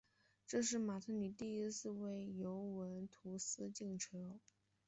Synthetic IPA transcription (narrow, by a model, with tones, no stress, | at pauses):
ʈ͡ʂɤ˥˧ʂ̬ɻ̩˥˩ma˨˩t̪ʰɤ˥ny˨˩t̪i˥˧i˥sɹ̩˥˧we˥˩ɪjo˧˥ʊwə˧˥nt̪ʰu˧˥sɹ̩˥t͡ɕi˥˩ŋʈ͡ʂʰɤ˧˥